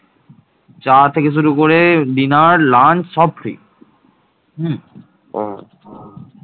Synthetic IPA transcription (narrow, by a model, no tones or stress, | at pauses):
t͡ɕaɾt̪ʰekeʃ̬uɾukoɾeɖinaɾlansɔb̚ɾḭ | ɦ̩